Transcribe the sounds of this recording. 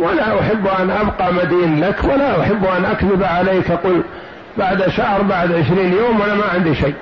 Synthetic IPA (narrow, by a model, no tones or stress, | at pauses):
wʔanaʔaħabːʔanʔabqɑmad̪iːnlakʰwalaʔaħabːʔanʔakðɪbʕalejːkʔaquːl | baʕd̪ʔaʃahɾˤbaʕd̪ʕɪʃɾiːnjoːmwʔanamaʕɪnd̪iʃajː